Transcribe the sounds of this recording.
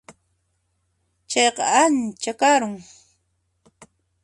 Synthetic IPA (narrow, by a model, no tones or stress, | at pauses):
t͡ʃɑjqɑant͡ʃakaɾʊŋ